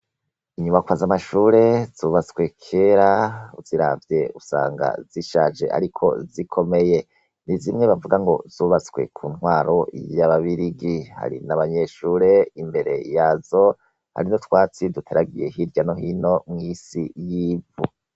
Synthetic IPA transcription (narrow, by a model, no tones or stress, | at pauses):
iɲumakwazamaʃuːɾe̞z̥uːβat͡swe̞kʰe̞ːɾaṵziɾa̰vje̞usa̰ːŋɡa̰ziʃaːd͡ʒe̞̰ʔa̰ɾikʰo̞̰zikʰo̞me̞je̞ | nizimŋe̞βavuɡaŋɡo̞z̥uβat͡swe̞̰kʰuːnwaːɾo̞ijjaβaβiɾiɡiha̰ɾḭnaβaɲe̞ʃuːɾe̞imbe̞ɾe̞̰jazo̞ | ha̰ɾinotwaːt͡sidutʰe̞ɾaɡije̞ɦiɾɟano̞ɦino̞mŋisijiːvu